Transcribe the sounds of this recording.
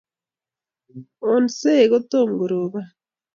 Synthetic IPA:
o˨nse˦˨ɣo˦t̪o˦˨ŋ˨ɡu˨ɾo˨ɣa˦

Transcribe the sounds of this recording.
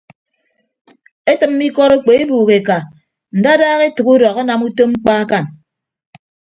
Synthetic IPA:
e˦tɨ˨m̩˦mi˦kɔ˦ɾo˦k͡pe˨e˦buː˨ɣe˨ka˨ | n̩˨da˦daː˦ɣe˦tu˨ku˦dɔ˨ɣa˦na˨mu˦to˦ŋ͡m̩˦k͡pa˦a˦ka˦˨n

